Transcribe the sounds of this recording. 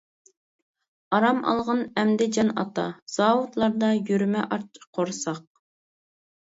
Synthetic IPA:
ɑɾɑmʔɑ̰lˠʁɑnɛmd̪ɪd͡ʒɑnɑ̰t̪ɑ̰z̥ɑːwut̪lˠɑɾd̪ɑjyɾmɛʔɑɾt͡ʃqʰoɾsɑq̚

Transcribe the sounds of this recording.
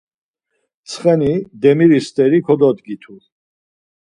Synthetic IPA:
t̪sʰχɛnid̪ɛmiɾist̪ʼɛɾikʰɔd̪ɔd̪ɡit̪ʰu

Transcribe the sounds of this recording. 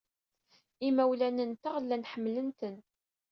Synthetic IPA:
imæwlænənt̪aʁlːænħəmːlənt̪ən

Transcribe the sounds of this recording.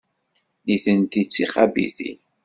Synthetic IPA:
niθənt̪it͡sːiχæbḭθḭ

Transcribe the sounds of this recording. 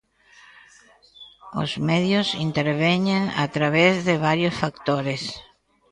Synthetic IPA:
o̰zmɛðjʊsint̪eɾβɛɲeŋa̰t̪ɾaβɛzðɪβaɾjosfakt̪oɾes

